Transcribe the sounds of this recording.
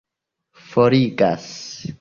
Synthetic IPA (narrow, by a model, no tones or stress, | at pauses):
foɾiɡa̰s